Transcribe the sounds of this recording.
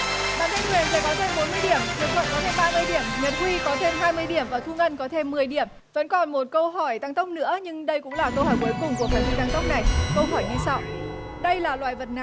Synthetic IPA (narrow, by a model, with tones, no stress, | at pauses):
ɓa̰ː˧˨ntʰə˧ŋkwi˨˩ənfəː˧˩ɓaː˨˦wt̪ʰe˧mɓo˨˦nmɨ˧əjɗi˧˩əmkḭ˨˩klwə̰˧˨nkɔ˨˦t̪ʰe˧mɓaː˧mɨ˧əjɗi˧˩əmɲə˨˩t̚hwi˧kɔ˨˦t̪ʰe˧mɦaː˧jmɨ˧əjɗi˧˩əmvaː˨˩t̪ʰu˧ŋʔə˧nkɔ˨˦t̪ʰe˧mːɨ˨˩əjɗi˧˩əm | və̰˧˥nkɔ˨˩nmo˨˩t̚kə˧wɦɔ˧˩jt̪a˧ŋt̪ə˦˥wk͡p̚nɨ̰˧˥əɲɨ˧ŋɗə˧jkʊ̰˧˥ŋ͡mlaː˨˩kə˧whɔ˧˩jku˨˩˦jkʊ˨˩ŋ͡mku˧˩əkaː˨˧˩wi˧t̪a˧ŋt̪ə˦˥wk͡p̚na˨˩jkə˧wɦɔ˧˩jɲɨ˧sa˧w | ɗə˧jlaː˨˩lwa̰ː˧˨jvə˨˩t̚na˧˦